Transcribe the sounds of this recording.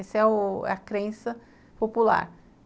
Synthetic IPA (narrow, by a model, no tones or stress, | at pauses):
esɛʊɛ̰ɐkɾẽsɐ | popula̰ɾ